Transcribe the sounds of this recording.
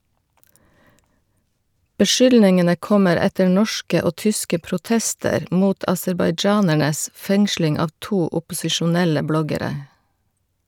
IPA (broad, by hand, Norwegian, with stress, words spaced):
bəˈʃʏlnɪŋənə ˈkɔməɾ ˈɛtəɾ ˈnɔʃkə ˈoː ˈtʏskə pɾʊˈtɛstəɾ ˈmuːt ɑsɛɾbɑɪˈd͡ʒɑːnæɳəs ˈfɛŋslɪŋ ˈɑːʋ ˈtuː ʊpʊsɪʃʊˈnɛlə ˈblɔɡəˌɾeː